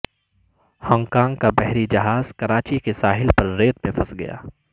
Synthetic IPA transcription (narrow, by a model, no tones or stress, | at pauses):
hɔ̃ːŋɡkãːŋɡkabɛɦɾid͡ʒɐɦaːz̥kɐɾaːt͡ʃikesaːɦɪlpɐɾːeːt̪mẽfʰɐsɡɐ̰ja̰ː